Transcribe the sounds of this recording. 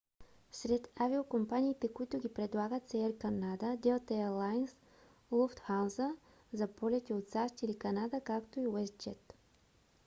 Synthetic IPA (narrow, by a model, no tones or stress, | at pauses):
sɾɛt̪aviokompaniːt̪ɛkoit̪ʊɡʲipɾɛd̪lˠaɡət̪sɛɛɾkɐnad̪əd̪ɛot̪ɛɛɾlˠajns | lˠuft̪xawzə | zɐpɔlʲɛt̪ʲiot̪saʃt̪ilikɐnad̪əkakt̪oiwɛst̪̚d͡ʒɛt̪